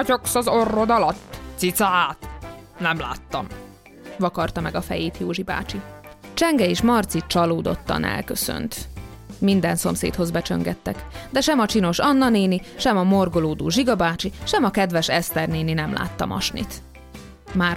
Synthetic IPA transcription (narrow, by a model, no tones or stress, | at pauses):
to̞ksɒzo̞rːo̞d̪ɒlɒt̪ːsit̪saːt̪nɛmla̰ːt̪ːɒ̰m | vɒkɒrt̪ɒmɛɡɒfɛ̰jeːt̪joːʒiba̰ːt͡ʃi | t͡ʃɛŋɡɛeːʃmɒrt̪sit̪̚t͡ʃɒloːd̪ot̪ːɒ̰nʔɛ̰lkøsø̰nt̪ | mind̪ɛnso̞̰msḛːt̪ho̞zbɛt͡ʃø̰ŋɡɛt̪ːɛkd̪ɛʃɛmɒt͡ʃino̞ʃɒnːɒneːniʃɛmɒmorɡo̞loːd̪oːʒiɡɒbaːt͡ʃiʃɛmɒkɛd̪ʋɛʃɛst̪ɛrneːninɛmlʔa̰ːt̪ːɒ̰mɒ̰ʃnḭt̪ | maː